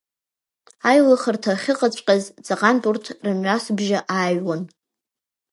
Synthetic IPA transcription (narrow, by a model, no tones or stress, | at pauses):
ajlaχərtʰaχʲɪqʼat͡ɕʷʼqʲʼazt͡sʼaqʼanpʼurtʰrɨnʕʷasbʒaʔaɥwan